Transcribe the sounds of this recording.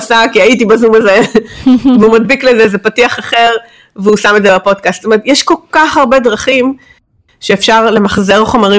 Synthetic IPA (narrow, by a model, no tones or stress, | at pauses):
sakiajit̬ibazumaze | veumad̪biklezezepatiaχaχe̞ʁ | veusamedzebapo̞d̪̚kaststomeʁet̪jɛʃko̞lkaχaʁbe̞dʁaχim | ʃeːfʃaʁle̞maχze̞ʁχo̞maʁi